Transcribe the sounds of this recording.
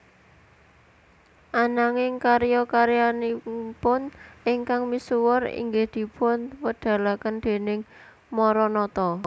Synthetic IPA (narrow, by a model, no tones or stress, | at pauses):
ʔanaŋɪŋkaɾjɔkaɾjanipʊnʔɪŋkaŋmisuwɔrḭŋɡɪhd̪̥i̤pʊnwəɖ̪̥a̤lakənd̪̥e̤nɪŋ | mɔɾɔnɔt̪ɔ